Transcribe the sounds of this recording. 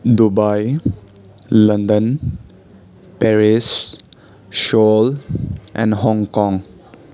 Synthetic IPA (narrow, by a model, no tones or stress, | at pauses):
dubaj | ləndən | pɛɾis | ʃɔlɛ̰̃nɦɔŋkɔ̃ŋ